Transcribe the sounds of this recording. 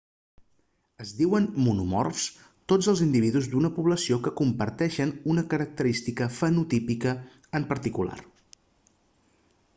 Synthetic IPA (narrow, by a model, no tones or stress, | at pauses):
əzðiwənmunumɔ̰rs | t̪od͡zəlˠzind̪iβ̞iðuzd̪unəpuβləsiokəkumpəɾt̪ɛʃənunəkəɾək̚t̪əɾist̪ikəfənut̪ipikə | əmpəɾt̪ikula̰r